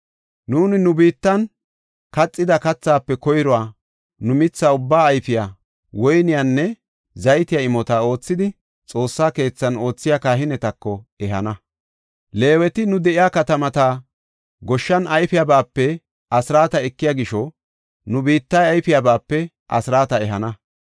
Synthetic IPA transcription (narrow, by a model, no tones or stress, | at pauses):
nuːnɪnʊbiːt̪ːɐn | kɐt͡sʼːɪd̪ɐkɐt͡sːaːpːɛkɔjɾɔwaː | nʊmɪt͡sːaʊbːaːjfɪjaː | wɔjnɪjanːɛ | zɐjt̪ɪjaɪmɔt̪ao̞ːt͡sːɪd̪ɪ | t͡sʼo̞ːsːaːke̞ːt͡sːɐno̞ːt͡sːɪjakaːɦɪnɛt̪ɐkːɔɛɦɐ̰nɐ | le̞ːwɛt̪ɪnʊd̪ɛʔɪjaːkɐt̪ɐmɐt̪aː | ɡɔʃːɐnɐjfɪjabaːpːɛ | ɐsɪɾaːt̪ɐɛkːɪjaɡɪʃɔ | nʊbiːt̪ːɐjɐjfɪjabaːpːɛ | ʔɐ̰sɾaːt̪ɐɛɦɐnɐ